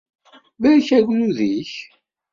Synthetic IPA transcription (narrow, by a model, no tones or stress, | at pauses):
bæçæɡnuðiç